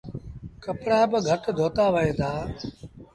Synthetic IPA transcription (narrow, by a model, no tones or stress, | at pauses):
kəpɽaːbəɡʱəʈd̪ʱoːt̪aːʋəɦẽːd̪aː